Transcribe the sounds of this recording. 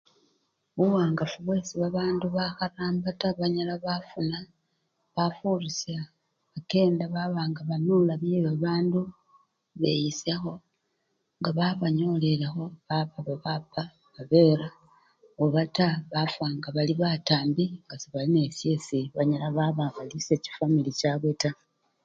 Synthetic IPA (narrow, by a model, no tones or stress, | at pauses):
βuwaːŋɡafuβwe̞siβaβaːnduβaxaraːmbataβaɲalaβafuna | βafurisja | βake̞ːndaβaβaːŋɡaβanulaβjeβaβaːndu | βe̞̰jisexo̞ | ŋɡaβaβaɲo̞lelexo̞βaβaβaβapʰa | βaβe̞ɾa | oβataβafwaːŋɡaβaliβataːmbikasiβaline̞fje̞siβaɲalaβaβaxalise̞ci̥familicaβeta